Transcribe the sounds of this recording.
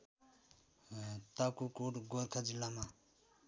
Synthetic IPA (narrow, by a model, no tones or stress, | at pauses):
t̪akukoʈɡolkʰad͡ʒilama